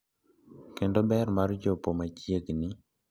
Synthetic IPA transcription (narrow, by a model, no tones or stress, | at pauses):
kendobɛrmard͡ʒopomat͡ʃjeɡnɪ